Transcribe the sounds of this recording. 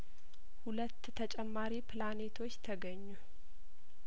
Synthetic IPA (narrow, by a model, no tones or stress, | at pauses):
hulət̪ːt̪ʰət͡ʃʼɛmːaɾipʰlanet̪ʰo̞t͡ʃːt̪ʰəɡəɲːu